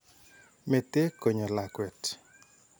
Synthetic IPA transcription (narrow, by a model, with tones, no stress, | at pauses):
me˨te˦ko˨ɲɔ˨la˨kwɛ˨t